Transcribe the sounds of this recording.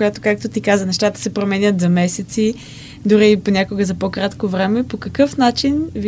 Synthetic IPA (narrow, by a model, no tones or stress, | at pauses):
kojat̪okak̚t̪ot̪ikazənɛʃt̪at̪ə̥sɛpɾomɛnʲət̪zɐmɛsɛt̪si | d̪ʊɾiːponʲakoɡəzɐpokɾat̪kovɾɛmɛpokɐkɤfnat͡ʃinv